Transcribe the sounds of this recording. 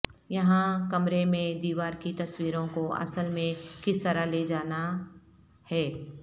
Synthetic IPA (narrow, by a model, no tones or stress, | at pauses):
jɐɦãkɐmɾemẽd̪iːʋaːɾkit̪ɐswiːɾõkoɐ̰səlmẽkɪst̪ɐɾaleːd͡ʒaːna | hɛː